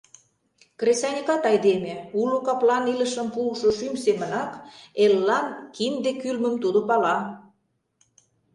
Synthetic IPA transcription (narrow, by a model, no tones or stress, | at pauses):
kresɑnʲikɑt̪ɑjd̪emeulukɑplɑnilə̆ʃəmpuːʃoʃymsemə̆nɑkelːɑnkʰimd̪ekylmə̆mt̪ud̪opɑlɑ